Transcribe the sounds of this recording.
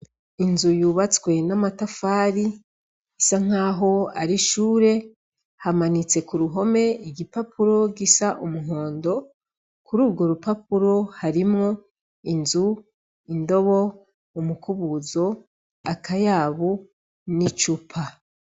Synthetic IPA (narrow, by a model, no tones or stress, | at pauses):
inzujuːβat͡swe̞namatafaːɾi | isaŋ̥aːɦo̞a̰ɾiʃuːɾe̞ | hamanit͡se̞kuɾuɦo̞me̞iɡipapuɾo̞ɡisaʔumuɦo̞ːndo̞ | kuɾuːɾɡo̞ɾupapuɾo̞haɾimŋo̞ | inzu | indo̞βo̞ | umukuβuzo̞ | akajaːβu | nit͡ʃupʰa